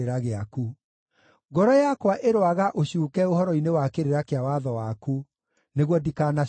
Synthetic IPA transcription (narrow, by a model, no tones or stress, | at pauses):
eɾaɣeaku | ɡɔɾɔjakwaʔeɾwaɣaʔoɕuːkɛohɔɾɔinewakeɾeɾakeawaðɔwaku | neɣwɔdikaːna